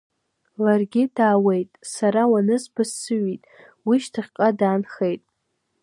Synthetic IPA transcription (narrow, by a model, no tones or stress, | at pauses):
larɡʲɪdaːwejtʼsaɾawanɨsbɨssɨɥitʼ | wiʃtʰɨχʲqʼadaːnχejtʼ